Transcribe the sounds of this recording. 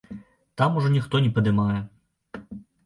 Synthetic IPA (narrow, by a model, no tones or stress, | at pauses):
t̪amuʐɔnʲixt̪ɔnʲɛpɐd̪ɨmajɛ